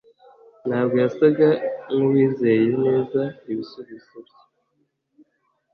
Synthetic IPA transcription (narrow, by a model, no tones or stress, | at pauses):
nhaːbɡojasaɡaŋuwiːzejene̞ːzaiβisuβiz̥oβj̥e